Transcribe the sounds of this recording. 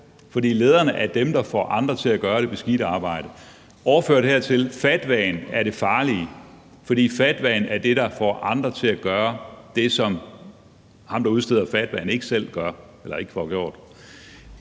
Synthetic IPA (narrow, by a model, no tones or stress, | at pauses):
fɒ̽d̥ḭːle̝ːð̞ˠɐːnəʔæɐd̥emd̥ɑ̈fɒ̰ːʔɑ̈nd̥ʁɐt͡sʰe̝æɡ̥ɶːɐɾ̥e̝b̥e̝sɡ̥iɾ̥əɑ̈ːb̥ɑ̈ɪ̰d̥ə | ʔɒʊɐføɐ̰d̥heɐ̰t͡sʰe̝lfæd̥ʋɛ̰ːnæɐɾ̥e̝fɑ̈ːli | fɒ̽d̥ḭːfæd̥ʋɛːnæɐd̥e̝ɾ̥ɑ̈fɒ̰ʔɑ̈nd̥ʁɐt͡sʰe̝æɡ̥ɶːɐd̥e̝sɒ̽m | hɑ̈md̥ɑ̈uð̞ˠsd̥e̝ð̰ˠɐfæd̥ʋɛ̰ːn̩e̝ɡ̥əsel̰ɡ̥ɶɐ | elɐe̝ɡ̥ə̥fɒːɡ̥jo̝̰ɐ̰d̥